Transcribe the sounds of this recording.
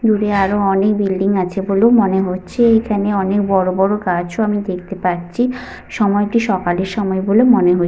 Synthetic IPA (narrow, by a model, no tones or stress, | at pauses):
d̪uɾeaɾoɔnek̚bilɖiŋat͡ɕʰeboleomoneɦotːɕʰeekʰaneɔnekbɔɾobɔɾokat͡ɕʰoamid̪ek̚ʰt̪epaɾɕʰi | ʃɔmɔeʈiʃɔkaleɾʃɔmɔebolemoneɦo